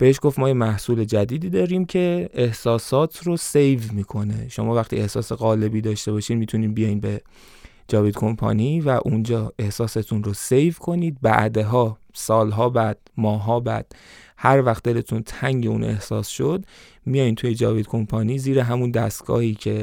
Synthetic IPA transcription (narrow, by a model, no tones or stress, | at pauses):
b̥e̞heʃɡo̞ft̪mɒːjemæhsuːle̞d͡ʒæd̪iːd̪iːd̪ɒːɾiːmcʰe̞ehsɒːsɒːt̪ʰrose̞jvmiːkʰo̞ne̞̰ʃo̞mɒːvæχt̪ḭːe̞hsɒːseɣɒːle̞biːd̪ɒːʃt̪e̞bɒːʃiːd̪mit̪ʰuniːd̪bijɒːjiːnbe̞ | d͡ʒɒːvid̪kʰo̞mpʰɒ̰ːniːvæʔund͡ʒɒːe̞hsɒːset̪ʰunɾosejvkʰo̞niːd̪̚bæ̰ʔd̪eɦɒː | sɒːlɦɒːbæd̪̥̚mɒːɦɒːbæ̰d̪̥̚ | hæɾvæxt̪d̪e̞le̞t̪ʰunt̪ʰæŋɟe̞ṵːnʔe̞̰hsɒ̰ːsʃod̪ | mijɒːjiːnt̪ʰuːjed͡ʒɒːvid̪kʰo̞mpʰɒniːziːɾeɦæmund̪æst̪ɡ̥ɒ̰ːhiːcʰe